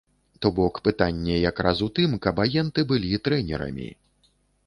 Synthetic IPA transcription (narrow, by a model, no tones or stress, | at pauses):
t̪ɔbɔkpɨt̪anʲːɛjakɾasut̪ɨmkɐbajɛnt̪ɨbɨlʲit̪ɾɛnʲɛ̰ɾɐ̰mʲḭ